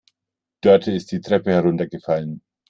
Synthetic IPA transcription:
d̥ɔɐtʰɪst̚d̥iːtʁ̥ɛpəhɛɐʁʊntɐɡəfalən

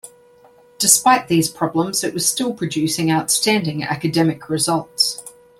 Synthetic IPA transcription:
d̥ɪspaɪʔðiz̥pʰɹ̥ɒblˠə̃mz̥ɪʔwɒz̥stɪlˠpʰɹ̥əd͡ʒʉˑsɪ̃ŋaʊtstæ̃ndɪ̃ŋa̰kədɛmɪkʰɹɪzʌlˠts

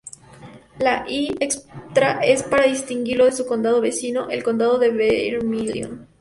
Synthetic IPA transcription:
laʔiekst̪ɾaʔe̞spaɾaðist̪iŋɡiɾlo̞ðesuko̞nd̪að̞oβe̞sino̞ʔe̞lko̞nd̪aðo̞ðeβeɾmiljo̰n

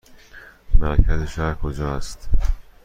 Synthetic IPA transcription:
mæɾcʰæzeʃæɾkʰod͡ʒɒːæst̪

